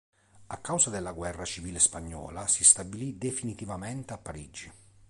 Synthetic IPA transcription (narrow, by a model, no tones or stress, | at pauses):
akːawzad̪elːaɡwɛrːat͡ʃiviːlespaɲːɔ̰ːlasist̪abilid̪efinit̪ivamɛnt̪eapːaɾid͡ʒi